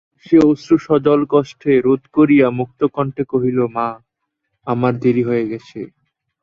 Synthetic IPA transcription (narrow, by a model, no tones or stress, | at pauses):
ʃeosuʃɔd͡ʑolkɔʃʈʰeɾod̪koɾijamuk̚t̪okɔɳʈekoɦiloma | amaɾd̪eɾiɦoeɡɛt͡ɕʰe